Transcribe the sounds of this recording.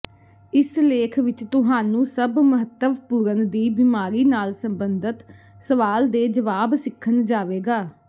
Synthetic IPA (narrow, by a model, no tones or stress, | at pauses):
ɪsleːkʰʋɪt͡ʃt̪ʊɦaːnũːsəbməɦət̪ːəʋpuːɾənd̪iːbiːmaːɾiːnaːlsəmbənd̪ət̪ | səʋaːld̪eːd͡ʒəʋaːbsɪkʰːənd͡ʒaːʋeːɡaː